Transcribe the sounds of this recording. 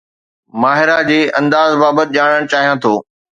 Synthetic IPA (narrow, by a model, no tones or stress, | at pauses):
maːɦɪɾad͡ʑeːʔɐ̃nd̪aːzbaːbət̪ɪʄaːɽ̃əɽ̃t͡ɕaːɦijãt̪ʰoː